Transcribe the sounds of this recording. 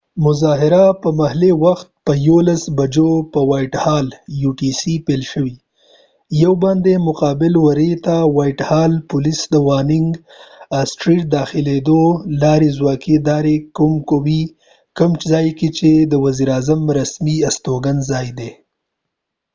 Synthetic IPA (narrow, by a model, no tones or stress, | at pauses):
mʊzɑɦɪɾapəmahlewaxt̪̚pəjolasbad͡ʒopəwɑjʈhɑljuʈisipelʃəwi | jawbɑnd̪emʊqɑbɪlwaɾet̪awɑjʈhɑlpʊlisd̪əwɑnɪŋɡ | asʈɾiʈ̚d̪ɑxɪled̪olɑɾezwɑked̪ɑɾekumkowi | kʊmzɑjket͡ʃed̪əwaziɾɑːzamɾasmiast̪oɡanzɑːjd̪e